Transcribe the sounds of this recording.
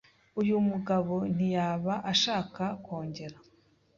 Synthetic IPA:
ujumuɡaβo̞n̥ijaːβaʔaʃaːkakwoːɲɟe̞ɾa

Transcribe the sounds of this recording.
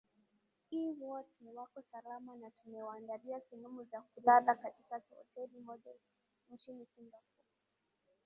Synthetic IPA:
hiːwɔtʰɛwakɔsalamanatunɛwaːndaliasɛnumuzakulaðakatikasɔ̰tɛlimɔʄa | nt͡ʃinisimbakɔ

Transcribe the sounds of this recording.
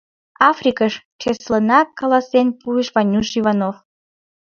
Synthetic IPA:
ɑfrʲikəʃt͡ʃeslənɑkːɑlɑsenpueʃvɑnʲuʃivɑnof

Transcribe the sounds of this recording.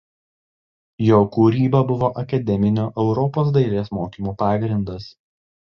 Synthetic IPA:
joːkuːɾʲiːbɐbʊʋoːʔɐkɐd̪ʲɛmʲɪnʲoːʔɛʊɾɔpoːs̬d̪ɐɪɾʲeːsmoːkʲiːmuːpɑːɡɾʲɪnd̪ɐs

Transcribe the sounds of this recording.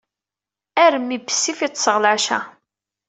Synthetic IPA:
æɾəmːibə̥sːifit̪ˤːsəʁlaʃæ̰

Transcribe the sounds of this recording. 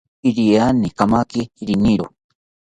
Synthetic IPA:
iɾianikamakiɾiniɾo

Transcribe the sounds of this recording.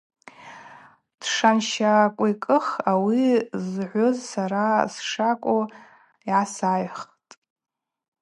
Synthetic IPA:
d̥ʂanʃakʷʼojkʼɨχawizʕʷozsaɾasʂakʷʼo | iʕasajχ | tʼ

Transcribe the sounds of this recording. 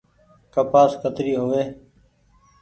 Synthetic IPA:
kəpaːskʰət̪ɾiːɦoːʋeː

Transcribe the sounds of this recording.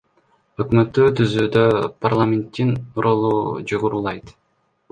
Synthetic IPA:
ø̞kmø̞t̪ːyːt̪ʰyzyːd̪ø̞parlˠamʲent̪ːinuɾolˠud͡ʒoʁoɾuːlˠɑjt̪

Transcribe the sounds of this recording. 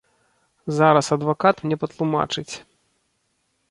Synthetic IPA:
zaɾɐsɐd̪vakat̪mnʲɛpɐt̪lˠuma̰t͡ʂɨt͡sʲ

